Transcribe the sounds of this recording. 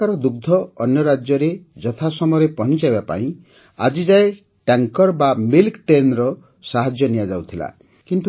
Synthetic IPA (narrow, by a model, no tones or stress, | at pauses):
aɾɔd̪uɡ̚d̪ʱɔɔnjɔɾad͡ʒjɔɾed͡ʒɔt̪ʰasɔmɔɔɾepɔɦnt͡ʃajbapa̰ĩ | a̰d͡ʒid͡ʒae | ʈaŋkɔɾbamilkʈɾenɾɔ | saɦad͡ʒjɔnijad͡ʒawt̪ʰila̰ | kint̪u